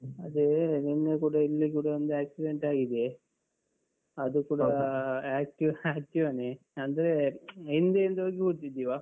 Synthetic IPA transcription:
ɐd̪eninːekuːɽɐilːikuːɽɐʋɐnd̪uaːksiɖeɳʈaːɡid̪e | ɐd̪ukuːɽɐaːk̚ʈiʋaːk̚ʈiʋaːne | ɐnd̪ɐɾeind̪eind̪ɐʋɐɡekuɽt̪ːid̪iʋaː

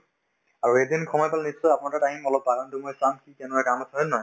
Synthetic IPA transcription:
aɹuedinkʰɔmɔjpalnisːɔjapʊnatataɦimɔlɔb̚aɡantumojsamkikɛnakamɔsaɦɛnɔ

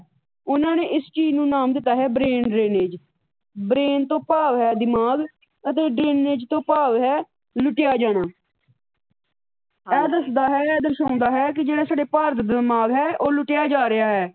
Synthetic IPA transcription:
ʊnãːneːʔɪst͡ʃiːnũːnaːmd̪ɪt̪ːaːɦɛːbɾeːnɖɾeːneːd͡ʒ | bɾeːnt̪õːpaːʋɦɛːd̪ɪmaːɡ | ət̪eːɖɾeːneːd͡ʒt̪õːpaːʋɦɛː | lʊʈɪjaːd͡ʒaːɽ̃aː | ɛːd̪əsd̪aːɦɛːɛːd̪əɾsãːʊ̃nd̪aːɦɛːk̬ɪd͡ʒeːɽaːsaːɖeːpaːɾt̪d̪maːɡɦɛːʔoːlʊʈjaːd͡ʒaːɾɪaːɦɛː

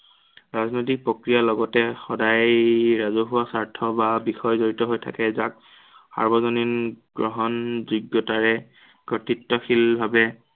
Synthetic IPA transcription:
ɹaznojt̬ik̚pɹɔkɹijalɔɡɔtɛxɔdajɹazuɦʊwasaɹtʰɔbabixɔjzoɹitɔɦojtʰa̰kɛzak̚ | xa̰ɹbɔzɔninɡ̥ɹɔɦɔnzuɡːɔtaɹɛ | kɔtitːɔxilbʱabɛ

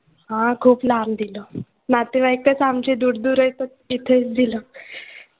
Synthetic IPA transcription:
ɦãkʰuːplamd̪ilo | nat̪iʋaekət͡samt͡ɕid̪uɽd̪uːɾəjt̪əɾ | it̪ʰet͡sd̪ilə

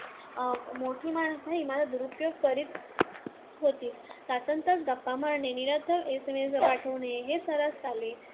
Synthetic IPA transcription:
moʈʰiːmanəsaɦiːmalad̪uɾupjoɡ̚pəɾiːt̪ | ɦot̪iːssat͡sənt̪ət͡sd̪ək̚paməɾɳeniɾət̪ʰəʋesemesəʋaʈʰəʋneɦesəɾast̪ale

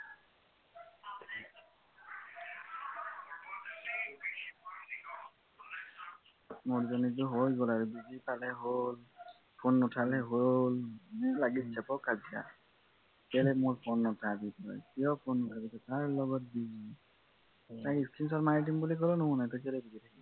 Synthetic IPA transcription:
muɹzɔnizuɦojɡolaɹubizipalɛɦol | pʰonːʊtʰalɛɦollaɡitsɛpɔkazia̰ | kɛlɛmoɹpʰonːɔtʰabitɔ̰jkiɔpʰonːʊtʰabitɔtaɹlɔɡɔt̚dizi | tajiskʰins̬ɔtmaɹit̬imbulikɔlɔnuɦũnajtɔkɛlɛbizitʰaki

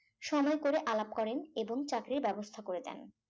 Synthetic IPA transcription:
ʃɔmɔekoɾeʔalap̚kɔɾeneboŋt͡ɕakɾiɾbɛbost̪ʰakoɾed̪ɛ̰n

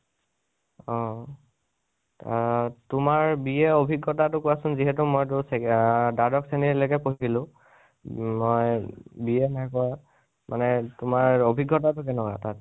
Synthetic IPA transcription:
ɔ | tʊmaɹbiɛobʱiɡʱːɔtatʊkʊwasʊnziɦɛtʊmojtʊsedadɔksenilɔkɛpoɦiɡilʊ̃ | mojbiɛnajkɔwa | mʔanɛtʊmaɹobʱiɡːɔtatʊk̬ɛnɔka̰tat̚

